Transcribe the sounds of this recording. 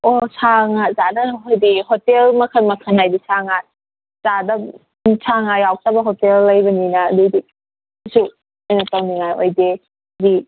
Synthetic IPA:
osʰaŋazadɐɦojdihɔtelmɐkʰɐnmɐkʰɐnajdisʰaŋat̚ | z̥adɐ | sʰaŋajawk̚tabɐɦotelːɐjbɐninadidi | su | ajnatawniŋajo̰jde | di

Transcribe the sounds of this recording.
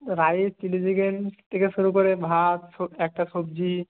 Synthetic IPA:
ɾajt͡ʃilid͡ʒiɡensʈʰekeʃuɾukoɾebʱat̪soɛk̚ʈasobd͡ʒi

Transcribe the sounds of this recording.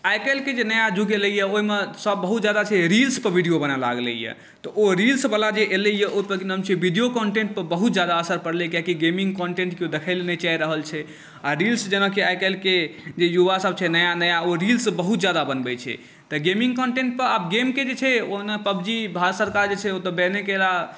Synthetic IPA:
ajkelked͡ʒenəjad͡ʒuɡeləjɛoimesəbːəɦut̪̚d͡ʒad̪at͡ʃʰɛɾilspəɾbʱiɖijobənala̰ɡlḛjɛ̰ | t̪ɔʔoɾilsbəlad͡ʒeʔeləijɛʔopəɾkinɦəmt͡ʃʰibʱiɖijokɔɳʈẽɳʈ̚pəɾbəɦut̪̚d͡ʒad̪aəsəɾpəɽlekjakiɡemĩŋɡkɔɳʈẽɳʈkiod̪ekʰaɪlenet͡ʃaiɾəɦəlt͡ʃʰɛ | aɾilsd͡ʒənəkeajkɛlked͡ʒejuʋasəb̚t͡ʃʰɛnəjanəjaoɾilsbəɦut̪̚d͡ʒad̪abənbɛt͡ʃʰɛ̰ | t̪ɔɡemĩŋɡ̚kɔɳʈeɳʈ̚pəɾabɡemked͡ʒet͡ʃʰɛonepəbd͡ʒibʱaɾət̪səɾkaɾd͡ʒet͡ʃʰɛot̪ɔbenekela

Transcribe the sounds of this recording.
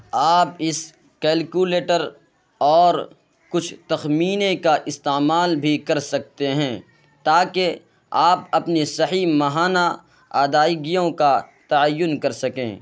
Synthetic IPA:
aːpɪs | kɛːlkuːleːʈəɾ | ɔːɾ | kʊt͡ʃʰt̪ɐxmiːnekaʔɪst̪eːmaːlbʱikɐɾsɐk̚t̪eɦɛ̃ː | t̪aːke | aːpɐpnisɐɦimɐɦaːna | aːd̪aːɪɡijõkat̪ɐəjːʊnkɐɾsɐkḛ̃ː

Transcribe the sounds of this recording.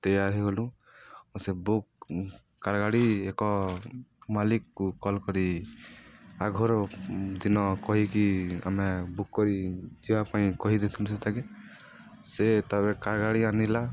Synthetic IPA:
t̪ɔjaɾɦeɡɔlũ | sebukː | aɾɡaɽiekɔ | malikːukɔlkɔɾi | aɡʱɔɾɔd̪inɔkɔɦikia̰mebukːɔɾid͡ʒibapaĩkɔɦid̪et̪ʰumset̪aɡe | set̪ɔβekaɾɡaɽianila

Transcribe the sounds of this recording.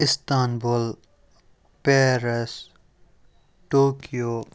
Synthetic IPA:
ɪst̪aːnbul | peɾes | ʈoːkijoː

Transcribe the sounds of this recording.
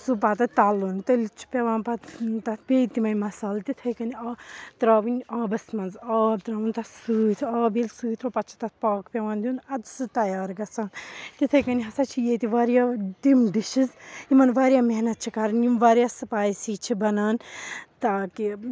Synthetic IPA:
supaːt̪ɐt̪aːluːnt̪ɐlt͡ʃʰi̥pʲeʋãːnpat̪t̪ɐt̪peːt̪imɐnmɐsaːlt̪it̪ʰɐjkɐnʲat̪ɾaːʋunʲaːbɐsmɐnzɐːb̚t̪ɾaːʋunt̪ɐsuːt̪ʰaːbilʲsuːt̪ʰɾopɐt͡ʃʰi̥t̪ɐt̪̚ʰpaːkpʲeʋãːnd̪ʲuːnɐd̪sɨt̪ɐjaːɾɡɐsaːnt̪it̪ʰɐjkɐniɦɐsaːt͡ʃʰijeːt̪iʋaːɾjaːdimɖiʃizimɐnʋaːɾjaːmeɦnɐt̪̚t͡ʃʰikaɾɐnjumʋaːɾjaːsɐpaːjsiːt͡ʃʰibɐnaːnt̪aːki

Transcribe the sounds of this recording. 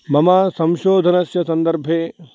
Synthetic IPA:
mɐmaːsɐ̃mʃoːd̪ʱɐnɐsjɐsɐnd̪ɐɾbʱeː

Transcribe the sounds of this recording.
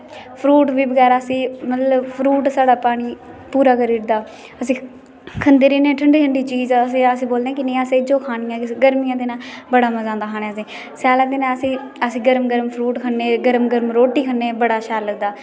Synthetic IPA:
pʰɾuːʈʋiːbəɡɛːɾaːsĩːmət̪ləbpʰɾuːʈsaːɽaːpaːɽ̃iː | puːɾaːkəɾiːʈd̪aː | əsĩː | kʰənd̪eːɾiːnẽːʈʰəɳɖiːʈʰəɳɖiːt͡ʃiːzsẽːəsĩːboːld̪ẽːkɪnẽːaseːd͡ʒoːkʰaːnijãːkɪɡəɾmijãːd̪eːnãːbəɽaːməzãːnd̪aːkʰaːɽ̃ẽːsĩː | sɛːlãːd̪eːnãːəsĩː | əsĩːɡəɾmɡəɾəmpʰɾuːʈkʰənːeːɡəɾmɡəɾmɾoːʈiːkʰənːeːbəɽaːʃaːləɡ̚d̪aː

